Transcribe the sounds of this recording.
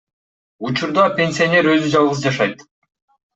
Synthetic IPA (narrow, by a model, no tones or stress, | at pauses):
ut͡ʃuɾd̪ɑpʲe̞nʲsʲionʲe̞ɾø̞zyd͡ʒɑlˠʁɯzd͡ʒɑʃɑjt̪